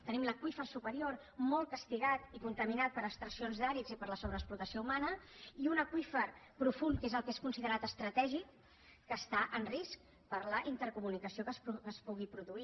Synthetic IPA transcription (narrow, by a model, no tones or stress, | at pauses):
t̪ənimləkwifəsupəɾior | mɔlˠkəst̪iɣat̪ikunt̪əminat̪̚pəɾəkst̪ɾəsionzðaɾizipəɾləsoβɾəksplut̪əsioumanəiunəkwifəɾpɾufuŋkezəlˠkeskunsiðəɾat̪əst̪ɾət̪ɛʒikː | əst̪aʔənrisk̚ | pəɾləʔint̪əɾkumunikəsiokəsəspuɣipɾuðui